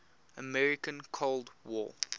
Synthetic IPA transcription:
əmɛɹɪkə̃nkʰoldwɔ̰

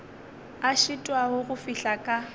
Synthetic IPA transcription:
aʃitʼwaɦʊɣʊfiɬakʼa

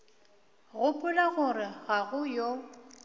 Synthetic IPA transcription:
ɣʊpʼʊlaɣʊrɪɣaɣʊjo

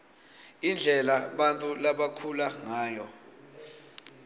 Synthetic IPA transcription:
ind͡ɮʱɛlaɓantʼulaɓakʰulaŋaːjɔ

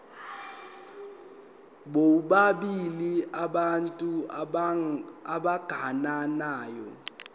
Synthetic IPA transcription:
ɓouɓaɓiliaɓantʼu | aɓaɡ̥ʱananaːjɔ̰

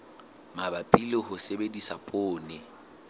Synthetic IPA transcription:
mabapʼilɪhʊsebedisapʼoːnɪ

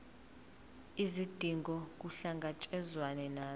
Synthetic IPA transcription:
izid̥ʱiŋɡʱɔk̬uɬaŋɡʱat͡ʃʼɛzwanɛnaː

